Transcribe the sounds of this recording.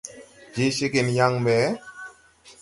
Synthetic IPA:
d͡ʒe˦ʃe˦ke˨nja˦ŋbɛ˨˦

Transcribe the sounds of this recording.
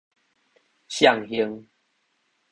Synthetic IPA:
ɕja˦˨ŋhjə˧ŋ

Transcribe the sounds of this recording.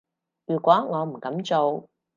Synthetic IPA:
jyː˨˩kʷɔː˨˥ŋɔː˨˧m̩˨˩kɐ˨˥mt͡so˨w

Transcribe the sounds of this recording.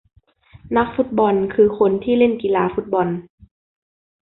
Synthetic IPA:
na˦˥k̚fu˦˥t̪̚bɔ˧nkʰɯː˧kʰo˧nt̪ʰiː˥˩le˥˩nki˨laː˧fu˦˥t̪̚bɔ˧n

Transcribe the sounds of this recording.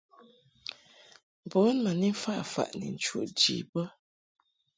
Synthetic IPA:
bɔ˨˦nmə˨ni˦fa˦˨ʔfa̰˨ʔnɛ̰˨n̩˨t͡ʃwṵ˦˨ʔd͡ʒḭ˨bə˦

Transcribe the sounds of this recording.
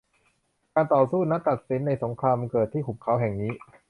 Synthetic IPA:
kaː˧nt̪ɔː˨˩suː˥˩na˦˥t̪a˨˩t̪̚si˩˦nːa˧jso˩˦ŋkʰɾaː˧mkɤː˨˩t̪ʰːiː˥˩kʰu˨˩p̚kʰa˦˥wɦɛ˨˩ŋniː˦˥

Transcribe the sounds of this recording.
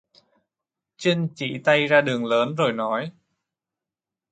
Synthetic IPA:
t͡ɕi˧ŋt͡ɕḭ˧˩t̪a˧jzaː˧ɗɨ˨˩əŋləː˨˦nzo˨˩jnɔ˨˦j

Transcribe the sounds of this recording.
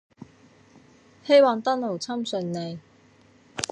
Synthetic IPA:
he˥jwɔː˨˧nt̪ɐ˥nlo˨˩wt͡sʰɐ˥msɵ˨˩nne˨˧j

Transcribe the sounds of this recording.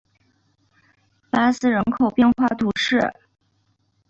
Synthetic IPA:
pa˥sɹ̩˥ɻə˧˥nkʰo˨˩ʊpjɛ˥˧nxwa˥˧t̪ʰu˧˥ʂɻ̩˥˩

